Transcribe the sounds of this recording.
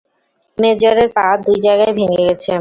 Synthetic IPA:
med͡ʑaɾeɾpad̪ujd͡ʑajɡaebʱiŋeɡɛt͡ɕʰe

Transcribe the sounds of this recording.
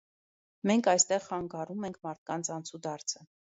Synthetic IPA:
mɛŋkʰɑjst̪ɛʁχɑŋɡɑɾumɛŋkʰmɑɾt̪̚kɑnt͡sʰɑnt͡sʰud̪ɑɾt͡sʰə

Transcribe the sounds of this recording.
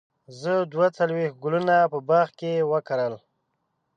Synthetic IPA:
zəd̪wat͡salwex̚ɡulunapəbaxkewəkaɾəl

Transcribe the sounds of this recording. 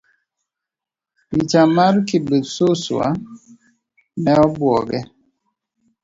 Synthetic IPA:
pit͡ʃamaɾkibesoswa̰ | mɛɔbwɔɡɛ

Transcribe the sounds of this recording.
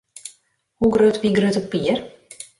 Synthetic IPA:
huɡrøːtʋiɡrøːtɔpːiər

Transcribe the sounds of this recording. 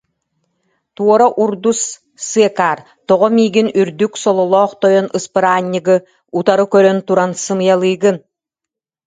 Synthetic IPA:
t̪uɔɾaʔuɾd̪usː | ɯɛkaːɾ | t̪ɔʁɔmiːɡinyɾd̪yksɔlˠɔlˠɔːχt̪ɔjɔnʔɯspɯɾaːɲːɯɡɯ | ut̪aɾɯkœɾœnt̪uɾansɯmɯjalˠɯjɡɯn

